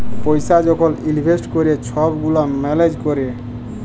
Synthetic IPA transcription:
pɔjsad͡ʒɔkʰɔlilibʱesʈkɔɾet͡ʃʰɔbɡulamɛled͡ʒkɔɾe

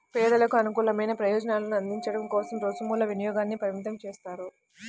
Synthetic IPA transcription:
pɛːd̪ɐlɐkuɐnukuːlɐmɐjnɐpɾɐjɔːd͡ʒɐnaːlɐnuɐnd̪iɲt͡ʃɐɽɐmkɔːsɐmɾɔːsɐmuːlːɐʋinɐjɔːɡaːnːipɐɾimit̪̬ɐmt͡ʃɛːst̪aːɾu

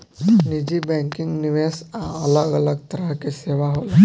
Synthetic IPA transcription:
nid͡ʑiːbɛ̃ŋkiŋɡniʋesaələɡələɡt̪əɾəɦkeseʋaɦol

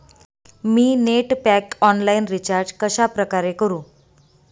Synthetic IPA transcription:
miːneʈpækɔnlainɾit͡ɕaɾd͡zkəɕapɾəkaɾekəɾũː

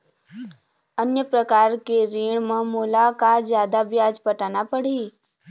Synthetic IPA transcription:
ənjəpɾəkaːɾkeɾiːɳ̃mə̃muːlakazjaːd̪abjaːd͡ʒpəʈaːnapəɽ̤iː

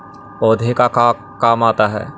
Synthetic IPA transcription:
ɔːd̪ʱekaka | kaːmaːt̪aɦɛ̰ː

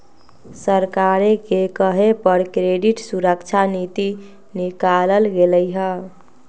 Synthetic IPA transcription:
səɾkaɾekekəɦepəɾkɾeɖiʈsuɾəkt͡ʃʰanit̪i | nikaləlɡeləjɦə

